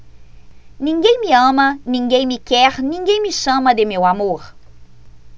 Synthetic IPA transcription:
nĩŋɡẽj̃mɪɐ̃mɐnĩŋɡẽj̃mɪkɛɾnĩŋɡẽj̃mɪʃɐ̃mɐd̪ɪmewamoɾ

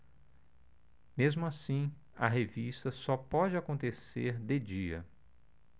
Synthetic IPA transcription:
mezmʊasĩ | ɐ̰ɦevist̪ɐsɔpɔd͡ʒɪakõnt̪eseɾd̪ed͡ʒiɐ̰

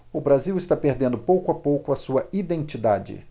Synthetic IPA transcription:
ʊbɾaziwɪst̪apeɾd̪ẽnd̪ʊpowkʊapowkʊɐsuɐid̪ẽnt͡ʃid̪ad͡ʒɪ̰

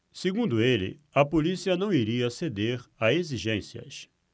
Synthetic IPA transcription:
seɡũnd̪ʊelɪ̰ɐpolisiɐnɐ̃w̃iɾiɐsed̪eɾaeziʒẽsiɐ̰s

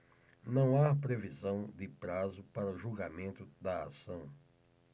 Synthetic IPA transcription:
nɐ̃w̃apɾevizɐ̃w̃d̪ɪpɾazʊpaɾɐʊʒuɡamẽnt̪ʊd̪ɐa̰sɐ̃w̃

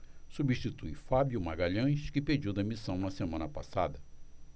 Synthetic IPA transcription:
subiʃt͡ʃit̪ujfabjumaɡaʎɐ̃ʃkɪped͡ʒiwd̪ɐmisɐ̃w̃nɐsemɐ̃nɐpa̰sa̰d̪ɐ

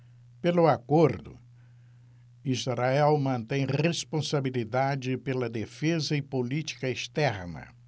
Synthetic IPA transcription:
pelʊakoɾd̪ʊ̰ | izɾaɛwmɐ̃nt̪ẽj̃respõsabilid̪ad͡ʒɪpelɐd̪efezɐɪpolit͡ʃi̥kɐest̪ɛɾnɐ̰

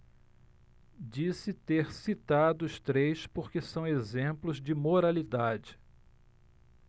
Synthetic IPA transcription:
d͡ʒisɪt̪eɾsit̪ad̪ʊːst̪ɾejspoɾkɪsɐ̃w̃ezẽplʊzd͡ʒɪmoɾalid̪ad͡ʒɪ̥

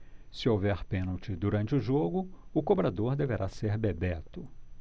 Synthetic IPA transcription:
sɪowvɛɾpẽnuwt͡ʃɪd̪uɾɐ̃nt͡ʃɪʊʒoɡʊʊkobɾad̪oɾd̪eveɾʔaseɾbebɛt̪ʊ

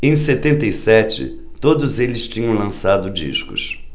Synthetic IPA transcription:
ẽj̃set̪ẽnt̪ejsɛt͡ʃɪ̰ | t̪od̪ʊzelɪst͡ʃĩɲɐ̃w̃lɐ̃sad̪ʊd͡ʒḭʃkʊ̰s

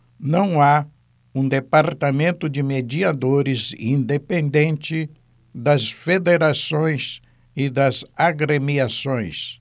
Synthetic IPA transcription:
nɐ̃w̃a | ũd̪epaɾt̪amẽnt̪ʊd͡ʒɪmed͡ʒiad̪oɾɪzĩnd̪epẽnd̪ẽnt͡ʃɪ | d̪ɐsfed̪eɾasõj̃s | ɪd̪ɐzaɡɾemiasõj̃s

